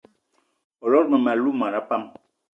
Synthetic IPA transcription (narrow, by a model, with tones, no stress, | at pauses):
ɔ˨lɔ˦ɾmə˨ma˨lu˦ma˨ɾa˨˦pa˦m